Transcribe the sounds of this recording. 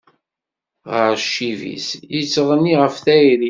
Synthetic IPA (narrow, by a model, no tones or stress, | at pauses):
ʁəɾʃːivḭsjət͡sːʁənːiʁəfθæiɾi